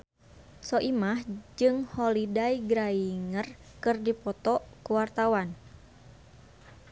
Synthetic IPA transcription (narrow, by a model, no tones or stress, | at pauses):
sɔʔimahd͡ʒɨŋhɔlidaiɡɾaiŋər | kɨrdipɔt̪ɔkuwart̪awan